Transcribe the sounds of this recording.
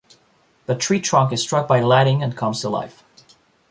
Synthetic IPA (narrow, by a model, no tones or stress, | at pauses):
ðətʰɹ̥itʰɹ̥ʌ̃ŋkɨz̥stɹ̥ʌk̚baɪlæɾɪ̃ŋɨ̃nkʰʌ̃mz̥tʰəla̰ɪf